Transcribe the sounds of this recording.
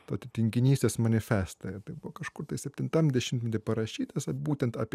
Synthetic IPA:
t̪oːt̪ʲɪt̪ʲɪŋʲkʲɪnʲiːsʲt̪ʲeːsmɐnʲɪfʲæːst̪ojɛt̪ɐɪbʊʋoːkɐʃkʊrt̪ɐɪsʲɛpʲt̪ʲɪnt̪ɐmd̪ʲɛʃʲɪmt̪ʲmʲɛt̪ʲɪpɐɾɐʃʲiːt̪ɐsbuːt̪ʲɛnt̪ɑːpʲ

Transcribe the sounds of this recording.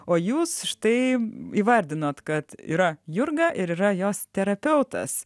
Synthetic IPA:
oːjuːsʃt̪ɛɪiːʋɐɾʲd̪ʲɪnoːt̪kɐt̪ḭːɾɐjʊɾɡɐʔɪɾiːɾɐjoːst̪ʲɛɾɐpʲɛʊt̪ɐ̰s

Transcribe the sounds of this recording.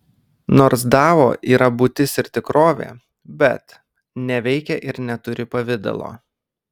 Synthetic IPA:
noːɾs̬d̪ɑːʋoːʔiːɾɐbʊt̪ʲɪsɪɾt̪ʲɪkɾoːʋʲḛː | bʲɛ̰t̪ | nʲɛʋʲɛɪkʲɛʔɪɾnʲɛt̪ʊɾʲɪpɐʋʲɪd̪ɐ̰lˠo̰ː

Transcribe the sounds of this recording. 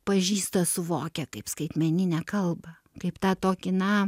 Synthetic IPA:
pɐʒʲiːst̪ɐsʊʋoːkʲɛkɐɪpskɐɪt̪ʲmʲɛnʲɪnʲɛkɐlˠbɐ | kɐɪpt̪ɑːt̪oːkʲɪnɐ

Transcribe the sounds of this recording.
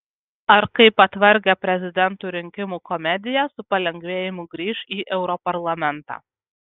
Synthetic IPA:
ɐɾkɐɪpɐt̪ʲʋɐɾʲɡʲɛpʲɾʲɛzʲɪd̪ʲɛnt̪uːɾʲɪŋʲkʲɪmuːkɔmʲɛd̪ʲɪjɛsʊpɐlʲɛŋʲɡʲʋʲeːjɪmʊɡɾʲiːʃiːʔɛʊɾɔpɐɾlˠɐmʲɛnt̪ɑ̰ː

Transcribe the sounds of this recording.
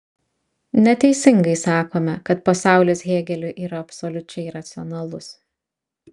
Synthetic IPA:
nʲɛt̪ʲɛɪsʲɪŋɡɐɪsɑːkoːmʲɛkɐt̪̚pɐsɑˑʊlʲeːsɣʲeːɡʲɛlʲʊʔiːɾɐɐpʲsɔlʲʊt͡ʃʲɛɪɾɐt̪sʲɪɔnɐlˠʊs

